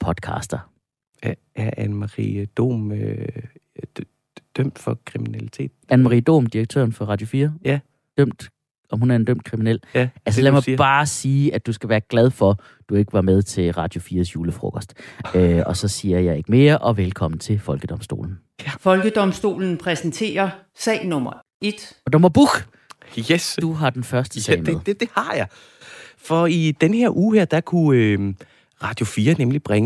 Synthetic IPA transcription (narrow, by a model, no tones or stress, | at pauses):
pʰɒ̽d̥kʰɑ̰̈sd̥ɐ | æʔænmɑʁḭd̥o̝̰ːm | d̥øm̰d̥fɒkʰʁiminælit͡sʰe̝̰ːd̥ænmɑʁḭːd̥o̝̰ːmd̥iʁɐɡ̥̚t͡sʰø̰ɐn̩fɒ̽ʁɑ̈d̥jo̝fiːɐ | d̥øm̰d̥ | ʔɒ̽mhunæɐend̥øm̰d̥kʰʁiminel̰æls̬əlæmɑ̈ɪb̥ɑ̈ːsiːʔæd̥usɡ̥æʋæːɐɡ̥læð̞ˠfɒ̽ | d̥ue̝ɡ̥əʋɑ̈með̞ˠt͡sʰe̝lʁɑ̈d̥jo̝fiːɐsjuːləfʁɔ̰ɡ̥ɒsd̥øɒ̽sɒ̽siːɐjɑ̈ɪe̝ɡ̥əme̝ːɐʔɒ̽ʋelkʰɒ̽m̰n̩t͡sʰe̝lfɒ̽lɡ̥əd̥ɒ̽msd̥o̝̰ːln̩ | fɒ̽lɡ̥əd̥ɒ̽msd̥o̝̰ːln̩pʰʁɛsn̩t͡sʰe̝̰ːɐ | sɛ̰ːɪnɔ̽mɐ | e̝d̥ɒd̥omɐb̥uɡ | jesd̥uɦɑ̈d̥enfɶɐsd̥əsɛɪ̰mð̩̥ˠd̥e̝hɑ̈jɑ̈ɪ | fɒid̥enhe̝ɐʔuːheɐ̰d̥ɑkʰuø | ʁɑ̈d̥jo̝fiːɐnemlib̥ʁɛŋ